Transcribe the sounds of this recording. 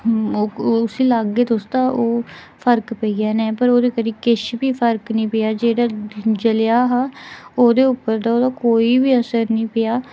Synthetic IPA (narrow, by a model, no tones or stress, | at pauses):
ʊsĩːlaːɡːeːd̪oːst̪aːʔoː | pʰəɾkpəiːaːnɛ̃ːpəɾoːd̪eːkəɾiːkɪʃbiːpʰəɾknəĩːpɪjaːd͡ʒeːɽaːd͡ʒəlaːɦaːoːd̪eːʊpːəɾd̪aːoːd̪aːkoːiːbiːəsəɾnəĩːpɪjaː